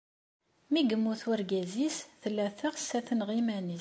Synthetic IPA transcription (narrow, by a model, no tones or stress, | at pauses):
miɡəmːuθwəɾɡæzisθəlːæθəʁsæθənʁimæni